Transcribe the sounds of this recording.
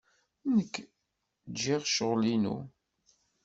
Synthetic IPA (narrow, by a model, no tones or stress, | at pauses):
nəkː | d͡ʒːiʁʃəʁlinṵ